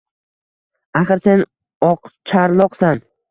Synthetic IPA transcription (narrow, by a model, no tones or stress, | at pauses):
aχɨɾse̞n | ɒqt͡ʃʰaɾlˠɒqsan